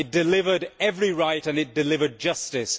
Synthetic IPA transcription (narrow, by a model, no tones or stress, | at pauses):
ɨt̚d̥ɨlɪvə˞ɾɛvɹiɹaɪɾɨ̃nɨt̚d̥ɨlɪvə˞d̚d͡ʒʌstɪs